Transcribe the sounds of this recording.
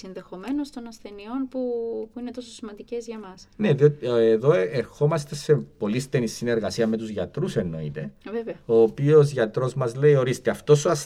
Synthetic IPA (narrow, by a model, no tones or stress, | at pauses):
sinðe̞xo̞me̞nost̪o̞nɐsθe̞nio̞npupuine̞t̪o̞sosimɐnd̪ice̞zʝɐmɐsneðiot̪ieðo̞eɾxo̞mɐst̪e̞se̞po̞list̪e̞nisːine̞ɾɣɐsiɐme̞t̪uzʝɐt̪ɾuse̞nːo̞ḭt̪e̞veveɐo̞ːpiozʝɐt̪ɾo̞zmɐzle̞io̞ɾist̪eɐft̪o̞suɐs